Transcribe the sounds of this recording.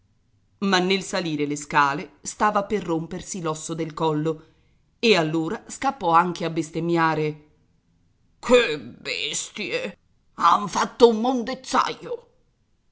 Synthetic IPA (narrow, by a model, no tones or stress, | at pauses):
manːelsaliːɾeleskaːlest̪aːvaperːompersilɔsːod̪elkɔlːo | ealːoːɾaskapːɔaŋk̟eabːest̪emjaːɾe | kʰebḛst̪je | aɱfat̪ːoumːond̪et̪sːa̰jo